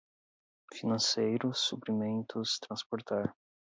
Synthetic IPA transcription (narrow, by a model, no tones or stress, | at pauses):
finɐ̃sejɾʊsupɾimẽnt̪ʊst̪ɾɐ̃spoɾt̪aɾ